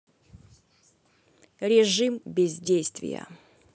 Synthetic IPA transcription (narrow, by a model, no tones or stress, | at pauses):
ɾʲɪʐɨmbʲɪzʲdʲejst̪vʲɪ̰jə̰